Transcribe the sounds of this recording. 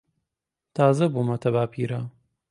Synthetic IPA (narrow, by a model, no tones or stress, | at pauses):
t̪ʰaːzɐbumɐt̪ʰɐβaːpʰiːɾa